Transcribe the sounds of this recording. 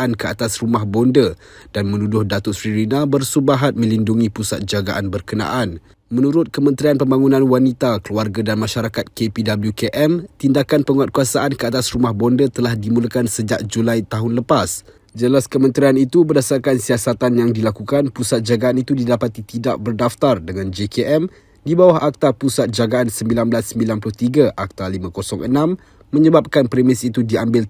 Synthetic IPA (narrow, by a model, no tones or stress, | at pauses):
ankəa̰t̪asrumahbɔndə | d̥anmə̃nudʊhdat̪ʊt̪̚fɾiɾinabərsubaɦat̪̚mə̃linduŋĩpusat̪̚d͡ʒaɡaʔanbərkəna̰ʔan | mənuɾʊt̪̚kəmə̃nt̪ɾianpəmbaŋunãnwanit̪akəluarɡadanmaʃaɾakat̪̚kepidabəljukeʔɛmt̪indakanpəŋuat̪̚kuasaʔankəat̪asrumahbɔndət̪əlahdimuləkansəd͡ʒaʔ̚d͡ʒulajt̪aɦʊnləpas | d͡ʒəlaskəmə̃nt̪ɾianit̪ubərdasarkansiasat̪anjaŋdilakukanpusat̪̚d͡ʒaɡaʔːnit̪udidapat̪it̪idaʔbərdaft̪ardəŋãnd͡ʒekeʔɛm | dibawaɦak̚t̪apusat̪̚d͡ʒaɡaansəmbilanbəlasːəmbilanplʊht̪iɡaʔak̚t̪alimə̃kosɔŋʔənãmː | ə̃ɲəbap̚kanpɾimɪsit̪udiambɪl